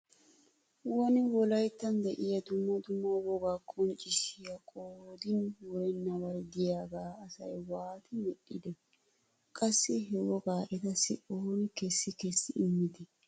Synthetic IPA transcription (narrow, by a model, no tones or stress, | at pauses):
wɔnɪwɔlɐjt̪ːɐnd̪ɛʔɪjɐd̪ʊmːɐd̪ʊmːowɔɡaːkʰʼɔnt͡ʃʼɪʃɪjɐkʼoːd̪ɪnwɔɾɛnːɐwɐɾd̪ɪjaːɡaːɐsɐjwaːt̪ɪmɛᶑːɪd̪ɛ | kʼɐsːɪɦɛwɔɡaːʔɛt̪ɐsɪ̰ʔoːnkɛsːɪkɛsːɪɪmːɪd̪ɪ